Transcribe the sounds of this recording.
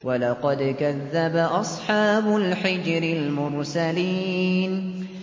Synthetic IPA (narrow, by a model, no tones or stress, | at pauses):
walɑqɑd̪kaðːabaʔɑsˤħɑːbʊlħɪd͡ʒɾɪlmʊɾsaliːn